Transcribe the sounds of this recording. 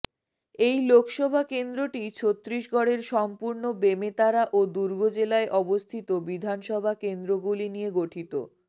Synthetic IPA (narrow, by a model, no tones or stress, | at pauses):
ejlokʰʃɔbʱakend̪ɾoʈit͡ɕʰot̪ːɾiʃɡɔɽeɾʃɔmpuɾnobemet̪aɾaʔod̪uɾɡʱod͡ʑelaeʔɔbost̪ʰit̪obid̪ʱanʃɔbʱakend̪ɾoɡulinijeɡoʈʰit̪o̰